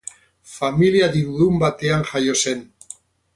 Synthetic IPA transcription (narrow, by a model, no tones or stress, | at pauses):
familiaðiβuðumbat̪e̞aŋʝajo̞se̞n